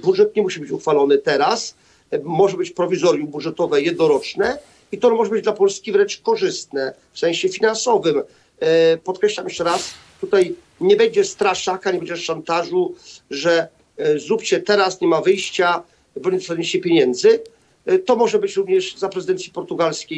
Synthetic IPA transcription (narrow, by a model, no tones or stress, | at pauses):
budʐɛt̪ɲɛmuɕibɘt͡ɕuxfalɔnɘt̪ɛɾas | mɔʐɛbɘt͡ɕpɾɔvʲizɔɾʲjumbudʐɛt̪ɔvɛjɛd̪̚nɔɾɔt͡ʂnɛ | it̪ɔmɔʐɛbɘd͡ʑd̪lapɔlskʲivɾɛnt͡ʂkɔʐɘst̪nɛ | fsɛ̃ɕɛfʲinansɔvɘm | pɔt̪̚kɾɛɕlamjɛʂt͡ʂɛɾast̪ut̪aj | ɲɛbɛɲd͡ʑɛst̪ɾaʂakaɲɛbɛɲd͡ʑɛʂant̪aʐuʐɛ | zɾupt͡ɕɛt̪ɛɾasɲɛmavɘjɕt͡ɕa | bɔɲɛd̪ɔsaɲit͡ɕɛpʲjeɲɛnd̪zɘ | t̪ɔmɔʐɛbɘt͡ɕɾuvɲɛʐzapɾɛzɨd̪ɛnt̪sʲipɔɾt̪uɡalskʲej